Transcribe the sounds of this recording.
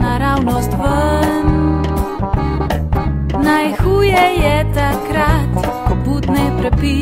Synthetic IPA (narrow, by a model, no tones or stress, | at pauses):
naɾawnɔst̪ʋən | najxuːjɛjɛt̪akɾat̪ | but̪nɛjpɾɛpi